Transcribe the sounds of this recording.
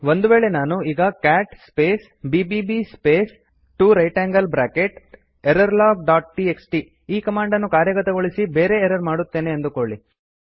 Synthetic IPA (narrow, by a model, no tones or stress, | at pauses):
ʋond̪uʋeːɭe̞naːnuiːɡɐkaːʈspeːs | biːbibispeːs | ʈuːɾɐjʈaːŋɡɐlbɾaːkeʈ | eɾɐɾlaːɡ̚ɖaːʈ̚ʈieksʈi | iːkɐmaːɳɖɐnːukaːɾjɐɡɐt̪ɐɡoɭisibeːɾe̞ːɾɐɾmaːɽut̪ːe̞ːne̞ːnd̪ukoɭɭi